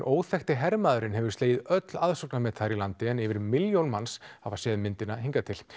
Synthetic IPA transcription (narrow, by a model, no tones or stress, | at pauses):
ʔoːwθɛxt̪ɪɦɛɾmaːðʏɾɪnɦɛvʏɾ̥st̪eːjɪðœt̪laðsoknamɛːt̪θaɾilant̪ɪɛnɪvɪɾmɪljownmansavasɛːðmɪnt̪ɪnaheŋkat̪ʰɪl